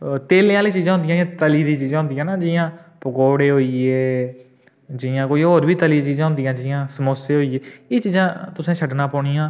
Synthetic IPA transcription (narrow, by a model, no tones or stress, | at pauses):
t̪eːlẽːãːliːt͡ʃiːzãːɦʊ̃nd̪ɪjãːjãːt̪əliːd̪iːt͡ʃiːzãːʊ̃nd̪ɪjãːnaːd͡ʒɪãːpəkoːɽeːɦoːieː | d͡ʒɪãːkoːiːɦoːɾbiːt̪əliːt͡ʃiːzãːɦʊnd̪ɪijãːd͡ʒɪːjãːsəmoːseːɦoːieːeːt͡ʃiːzãːt̪ʊsẽːʃʰəɖnaːpɔːɳiːãː